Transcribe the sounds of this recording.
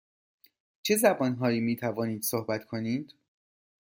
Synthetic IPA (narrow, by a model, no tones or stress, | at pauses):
t͡ʃʰe̞zæbɒːnɦɒːjiːmiːt̪ʰævɒːniːd̪̥sohbæt̪ʰkʰo̞niːd̪̥